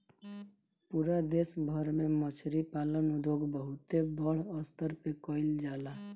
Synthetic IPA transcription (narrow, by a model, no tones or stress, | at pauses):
puːɾad̪eːsbʱəɾmẽmət͡ʃʰɾipaːlənʊd̪ʱoɡbəɦʊt̪ebəɽ̤əst̪əɾpekɔɪld͡ʒaːla